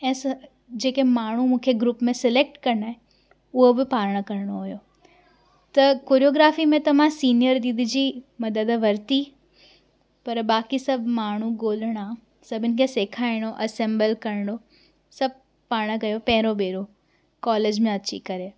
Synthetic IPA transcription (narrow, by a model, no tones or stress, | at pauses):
ɛ̃ːsɐ | d͡ʑeːkemaːɳ̤umũːkʰeɡɾuːpmẽsɪleːk̚ʈkɐɾɽaːɦẽ | ʊɦobɪpaːɾɽ̃əkɐɾɪɽ̃oɦojo | t̪ɐkoːɾijoːɡɾaːfimẽt̪ɐm̤ãsiːnijəɾd̪id̪ʱɪd͡ʑiːmɐd̪əd̪ʋɐɾt̪i | pɐɾbaːkisɐbʱmaːɳ̤uɡoːləɽ̃ã | sɐbʱɪnɪ̆kʰeseːkʰaːɪɽ̃oʔɐsẽːmbəlkɐɾɳɽ̃o | sɐb̚ʱ | paːɾɽ̃əkɐjopɐ̃ɦɪ̃ɾobeːɾo | kɔːleːd͡ʑmẽɐt͡ɕḭkɐɾe